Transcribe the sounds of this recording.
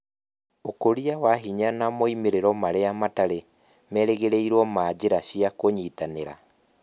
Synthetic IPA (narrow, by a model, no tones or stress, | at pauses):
okoɾiawaɦiɲanamoimeɾeɾɔmaɾeamataɾe | mɛɾeɣeɾeiɾwɔmaːd͡ʑeɾaɕiakoɲitaneɾa̰